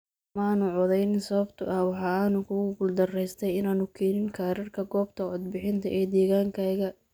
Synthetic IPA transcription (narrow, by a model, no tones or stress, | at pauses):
maːnʊʕɔðɛjnɪnsɐβɐbt̪ʰʊ̰ʔɐhwɑħɑːaːnʊkʰʊɣʊɡʊld̪ɐrɛjst̪ʰɛjɪnaːnʊkʰɛːnɪŋkʰaːɾɪrkʰɐɡɔːbt̪ʰɐɔd̪̚bɪħɪnt̪ʰɐʔɛːd̪ɛːɣaːŋkʰaːɣɐ